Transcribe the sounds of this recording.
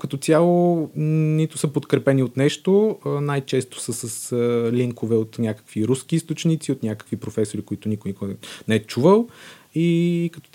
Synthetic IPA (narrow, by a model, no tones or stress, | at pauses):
kɐt̪ot̪ʲjalˠo | nit̪ʊ̥səpot̪kɾɛpɛniot̪nɛʃt̪oənajt͡ʃɛst̪ʊ̥səsəsəliŋkovɛot̪nʲjakə̥kviɾusk̟iist̪ot͡ʃnit̪siot̪nʲakə̥kvipɾofɛsoɾikoit̪ʊnʲikʊnikonɛɛt͡ʃuvəlˠ | ikət̪